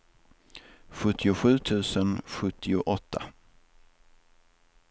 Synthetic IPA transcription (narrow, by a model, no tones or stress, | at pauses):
ɧɵt̪ʰːɪʊɧʉ̟ːt̪ʰʉ̟ːsənɧɵt̪ʰːɪʊʔɔt̪ʰːa